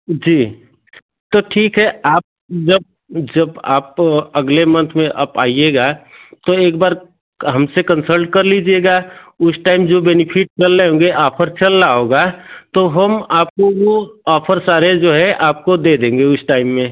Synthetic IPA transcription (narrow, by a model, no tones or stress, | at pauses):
d͡ʒiː | t̪oʈʰiːkɦɛaːp̚ | d͡ʒəb̚ | d͡ʒəbaːpɐɡlemə̃nt̪ʰmẽʔɐpa̰ːieɡat̪oeːkbaːɾ | ɦɐmsekə̃nsəlʈ̚kɐɾlid͡ʒieɡaʊsʈaːɪmd͡ʒobɛnɪpʰɪʈ̚t͡ʃɐlːeõːɡeʔaːpʰəɾt͡ʃɐlːaoːɡat̪oɦɐmaːp̚kowoaːpʰəɾsaːɾed͡ʒoːɦɛʔaːp̚kod̪eːd̪ẽːŋɡeʊsʈaːɪmːẽ